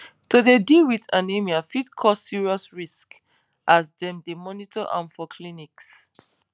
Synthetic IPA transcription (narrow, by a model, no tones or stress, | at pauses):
todedilwitãnemiafidkʰɔssiɹiɔsɹisk | ʔasdɛ̃mdemɔnitʰɔʔã̰nfɔkʰliniks